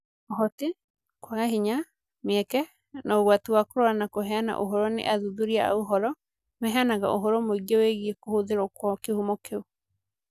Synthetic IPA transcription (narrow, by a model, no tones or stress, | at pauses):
ɔɦɔte | kwaɣaɦiɲa | meɛkɛ | nɔɣwatuwakoɾɔanakoɦɛana̰ʔoɦɔɾɔnḛʔaðuðuɾiaa̰oɦɔɾɔ | mɛɦɛanaɣa̰ʔoɦɔɾɔmoiɡeweɣiekohoðeɾɔkwɔkehumɔkeo